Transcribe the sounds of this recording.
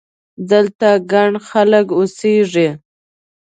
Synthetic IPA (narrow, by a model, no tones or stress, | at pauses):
d̪əlt̪aɡaɳxaləkoseʐi